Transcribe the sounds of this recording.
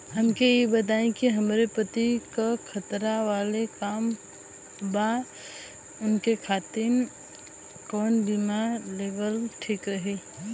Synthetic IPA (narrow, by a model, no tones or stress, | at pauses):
ɦɐmkejebɐt̪̬aːẽkiɦɐmɾepət̪ikakʰɐt̪ɾaʋaːlekaːm | ba | ʊnkekʰaːt̪ɪn | kɔːnbimaleːʋəlʈʰiːkɾɐɦe